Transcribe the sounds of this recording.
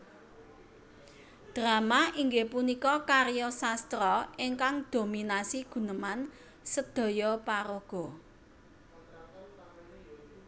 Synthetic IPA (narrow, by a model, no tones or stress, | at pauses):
d̪̥ɾa̤maiŋɡepunikɔkaɾjɔsast̪ɾɔiŋkaŋd̪̥o̤minasiɡ̥ṳnəman | səd̪̥ɔ̤jɔpaɾoɡ̥ɔ̤